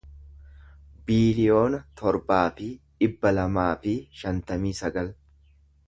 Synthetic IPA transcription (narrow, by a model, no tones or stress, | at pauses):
biːlɪjo̞ːnɐt̪ʰɔɾbaːfɪᶑɪbːɐlɐmaːfɪʃɐnt̪ɐmiːsɐɡɐl